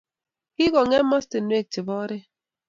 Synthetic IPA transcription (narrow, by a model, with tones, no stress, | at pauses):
ki˦ɡɔ˨ŋɛ˦ma˦ste˨n˨we˦˨k̚tɪ˨bɔ˦ɾɪ˦